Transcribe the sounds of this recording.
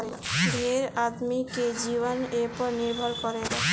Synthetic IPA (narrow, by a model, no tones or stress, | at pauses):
ɾebʱeɾad̪miked͡ʒibɔnepɔɾniɾbʱɔlkɔɾe